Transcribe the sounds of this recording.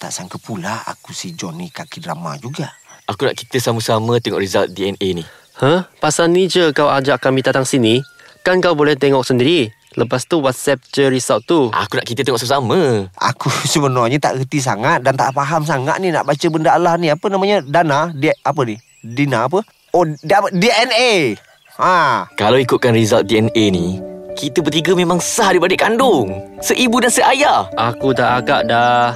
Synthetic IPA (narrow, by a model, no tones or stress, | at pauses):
t̪a̰ʔsaŋkəpulaa̰kusid͡ʒɔnikakidra̰ma̰d͡ʒuɡaʔakuna̰ʔkit̪əsaməsamət̪ɛŋɔ̰ʔrizalt̪̚diɛneni | həhpasanːid͡ʒəkawad͡ʒaʔkːamit̪at̪aŋsini | kankawbolɛht̪eŋɔk̚səndiɾi | lʔəp̬ast̪uwat̪̚sɛp̚t͡ʃəɾisaʔt̪uʔa̰kunaʔkit̪ət̪eŋɔʔsaməsaməa̰kusəbənɔɲət̪a̰ʔɡət̪is̬a̰ŋat̪̚dant̪a̰ʔfaɦams̬aŋa̰ʔ̪̚nina̰ʔbat͡ʃəbəndaalahniapənamaɲədanadap̬əni | dinaːp̬ə | oaədiɛne | akalawikʊt̪̚kanrizalt̪̚diɛnenikit̪əbərt̪iɡəmemaŋsahdibadiʔkandʊŋsəʔibudansəʔajaʔakut̪aʔaɡaʔda